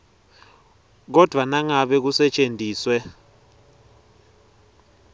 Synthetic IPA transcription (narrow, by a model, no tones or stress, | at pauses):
k̬ɔd̥ʱwanaŋaɓɛk̬usɛt͡ʃʼendʱiːswɛ